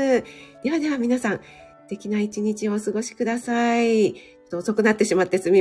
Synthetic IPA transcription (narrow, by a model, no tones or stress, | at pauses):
ɨd̪̥e̞βad̪e̞βamʲinasãn | st̪e̞kʲinait͡ɕiɲ̟it͡ɕio̞ːsɨɡo̞ɕi̥kɯ̟d̪asait͡ɕo̥t̪ːoːso̞kɯ̟nat̪ːe̞ɕimat̪ːesɨmʲi